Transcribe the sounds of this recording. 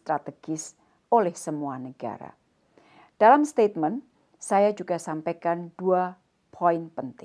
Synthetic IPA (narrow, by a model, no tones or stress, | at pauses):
t̪ɾat̪əɡ̥ɪs | ʔolɛhsəmuanəɡ̥a̰ɾa̰ | d̥alamst̪et̪̚mən | sajad͡ʒuɡasampekand̥ua | pʰɔɪnpənt̪ɪ